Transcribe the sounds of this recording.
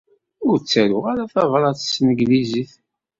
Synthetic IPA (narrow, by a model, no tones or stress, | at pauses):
ʊɾt͡sːæɾʊʁaɾaθɑvɾˤɑθsnəɡliziθ